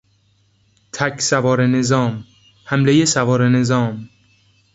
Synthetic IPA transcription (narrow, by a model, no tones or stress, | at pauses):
t̪ʰæcʰsævɒːɾenezɒːm | hæmlejesævɒːɾene̞zɒːm